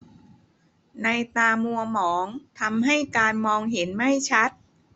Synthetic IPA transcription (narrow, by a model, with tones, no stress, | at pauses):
na˧jt̪aː˧mu˧ɐmɔː˩˦ŋt̪ʰa˧mɦa˥˩jkaː˧nmɔː˧ŋɦe˩˦nma˥˩jt͡ɕʰa˦˥t̪̚